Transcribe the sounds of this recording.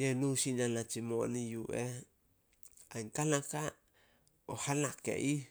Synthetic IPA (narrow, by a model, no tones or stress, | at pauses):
jenusinanat͡ʃimonijuʔe | aŋkalaka | ohalakḛʔi